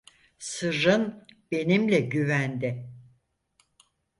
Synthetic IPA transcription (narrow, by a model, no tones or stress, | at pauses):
sɯɾɯnb̥e̞nimlʲɛɟyvænd̪ɪ